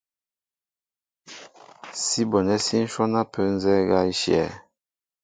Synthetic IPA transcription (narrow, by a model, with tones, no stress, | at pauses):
si˦bɔ˨nɛ˦si˦n̩˦ʃɔ˦na˦pʰə˨˦n˦zɛ˦ɡa˦i˦ʃjɛ̰˨